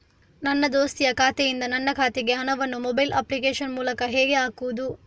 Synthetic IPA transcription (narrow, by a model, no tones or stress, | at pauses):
nɐnːɐd̪oːst̪ijɐkʰaːt̪ɛjind̪ɐnɐnːɐkʰaːt̪ɛɡe̞ɦɐnɐʋɐnːumɔbɐjlʔɐ̰plik̬eːʃɐnmuːlɐkɐɦɛːɡe̞aːkuʋud̪u